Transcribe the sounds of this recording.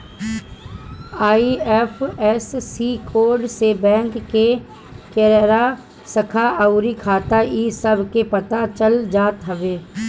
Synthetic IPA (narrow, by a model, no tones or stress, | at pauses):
aːiɛfʰɛsːiːkoːɾɖsebɛ̃ːŋkːe | keːɾɛɾa | səkʰaəʊɾikʰaːt̪aiːsɐbʱkepɐt̪at͡ʃəld͡ʒaːt̪ɦɐʋeː